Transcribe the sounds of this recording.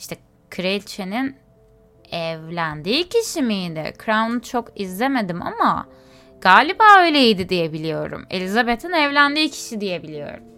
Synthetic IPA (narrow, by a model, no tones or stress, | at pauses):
iʃt̪ʰɛ | kʰɾelʲt͡ʃʰenin | ɛvlʲænd̪iːcʰiʃimiːd̪ɪ̰kʰɾamnɯt͡ʃʰo̞kizlʲe̞me̞d̪ima̰ma̰ | ɡ̥aːlʲibaːø̞jlʲejid̪id̪ijebilʲijo̞ɾṵme̞̰lʲizabet̪ʰinɛvlʲænd̪iːcʰi̥ʃid̪ije̞bilʲijo̞̰ɾṵm